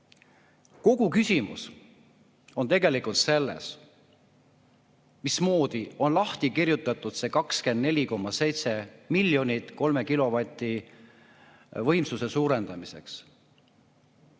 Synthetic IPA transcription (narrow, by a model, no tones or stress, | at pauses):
ko̞ɡ̥ukysʲimṵs | o̞nt̪e̞ɡe̞likult̪se̞lːḛs | mismo̞ːd̪̥io̞nlɑht̪ikirjut̪ːˑɑt̪ːˑud̪̥se̞ːkɑkske̞nd̪ne̞lʲiko̞mːɑse̞jt̪se̞milːjo̞nʲit̪ko̞lme̞kilo̞vɑt̪ʲːˑi | vɤ̞jmsuse̞suːɾe̞nd̪̥ɑmise̞̰ks